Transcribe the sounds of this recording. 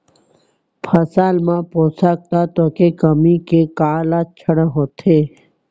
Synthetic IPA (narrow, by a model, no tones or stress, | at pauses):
pʰɐsaːlmãpoːsaːk̚t̪at̪oːkekəmikekaːlaːt̪̚t͡ʃʰəɽə̃ɦoːt̪ʰeː